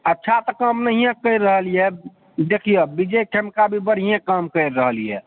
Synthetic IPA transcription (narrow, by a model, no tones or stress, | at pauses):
ətːʃʰat̪əkəmnəɦijãkəɪɾːəɦəlijɛ | d̪ekʰijebid͡ʒekʰemkabʱibəɽɦijãkəmkəɪɾːəɦəlijɛ